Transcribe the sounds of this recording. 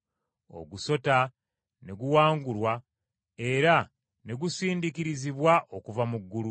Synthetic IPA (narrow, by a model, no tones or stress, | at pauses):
o̞̰ɡuso̞ta | ne̞ɡuwaːŋɡulwa | e̞ɾa | ne̞ɡusiːndikiɾiziβwaʔokuvamuɡːulu